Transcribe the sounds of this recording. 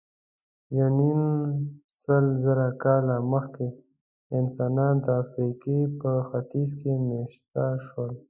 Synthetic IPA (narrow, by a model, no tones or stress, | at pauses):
janin | səlzəɾakɑlaməxke | ɪnsɑnɑnd̪əafɾikipəxat̪izkemeʃt̪aʃwəl